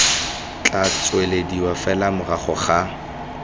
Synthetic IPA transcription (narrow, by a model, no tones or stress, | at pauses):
t͡ɬʼat͡sʼwelediwafɛlamʊraχɔχa